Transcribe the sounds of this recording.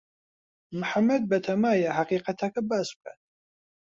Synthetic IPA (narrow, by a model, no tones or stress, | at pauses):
mħamːɛd̪̚bɛt̪ʰamajaɦaqʼiːqʼat̪ʰakʰɐbaskʷʰʼɛ̰